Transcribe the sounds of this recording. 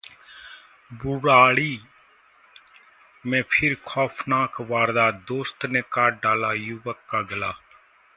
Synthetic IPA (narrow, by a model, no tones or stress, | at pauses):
bʊɽaːɽiː | mẽːpʰɪɾkʰɔːpʰnaːkʋaːɾd̪aːd̪oːst̪nẽːkaːɖaːlaːjuʋəkːaːɡəlaː